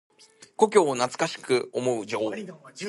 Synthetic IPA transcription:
ko̞k̬ʲo̞ːnat͡sɨ̥kaɕi̥kɯ̟omo̞ɯ̟d͡ʑo̞ː

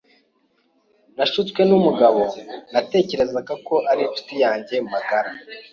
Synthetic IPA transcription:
naʃut͡skwe̞numuɡaβo̞nate̞ːce̞ɾe̞zaɡako̞ʔaɾinfi̥tijaːɲɟe̞makaɾa

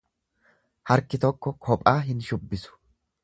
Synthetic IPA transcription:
hɐɾkɪt̪ɔkːɔkʰɔpʼaːɦɪnʃʊbːɪsʊ̥

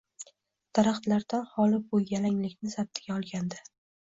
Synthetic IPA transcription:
d̪̥aɾaχt̪laɾd̪anhɒlɪbʊjalaŋlɪkʲnɪsab̚t̪ʰɪɡʲaɒlˠɡʲand̪ɪ

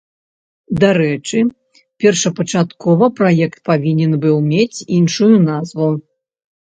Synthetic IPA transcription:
d̪aɾɛt͡ʂɨ | pʲɛrʂɐpɐt͡ʂat̪kɔvɐpɾajɛkt̪̚pavʲinʲɛnbɨwmʲet͡sʲinʂujunazvu

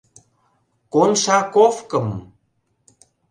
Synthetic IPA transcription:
konʃakofkəm

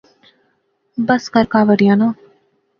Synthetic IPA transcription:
bəskəɾkaːʋəɽijãːnõː

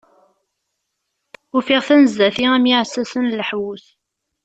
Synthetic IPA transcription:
ufiʁθænəzːæθiæmjiʕsæsənləħwuθ

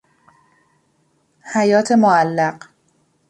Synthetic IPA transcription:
hæjɒːt̪ʰe̞moælːæɢ

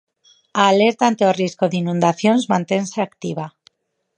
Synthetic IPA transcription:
aːleɾt̪ant̪eoriskoðinũnd̪aθjonzmãnt̪e̞nseakt̪iβa

